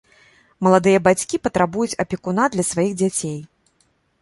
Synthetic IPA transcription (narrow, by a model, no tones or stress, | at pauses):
mɐlˠad̪ɨjɐbat͡sʲkʲipɐt̪ɾabujut͡sʲɐpʲikunad̪lʲɐsvajiɣd͡zʲat͡sʲej